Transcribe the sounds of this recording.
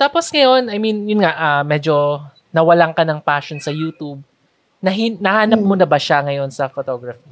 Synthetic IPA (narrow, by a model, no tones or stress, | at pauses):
t̪aːpo̞sŋɐjo̞nɐjminjʊnŋaʔɐmɛːd͡ʒo̞ | nɐwɐlaŋkɐnɐŋpaːʃonsɐjuːt̪ub̚ | nɐɦinɐhaːnɐp̚monɐbɐʃaŋɐjo̞nsɐfot̪oɡɾɐfi